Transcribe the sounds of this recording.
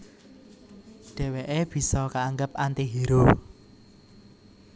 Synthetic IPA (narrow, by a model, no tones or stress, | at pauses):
ɖ̥ɛ̤weʔeb̥i̤sɔkaːŋɡəp̚ʔant̪eɦiɾo